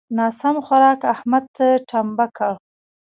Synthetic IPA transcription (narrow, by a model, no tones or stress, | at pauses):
nɑːsamxaɾɑkahmad̪̚t̪aʈʰambakʰa